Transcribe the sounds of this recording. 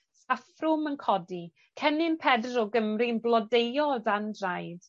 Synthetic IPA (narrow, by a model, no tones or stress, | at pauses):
afrʊmənkʰɔdi | kʰɛnɪnpʰɛdrɔɡəmrinblˠɔdejɔdandrajd̥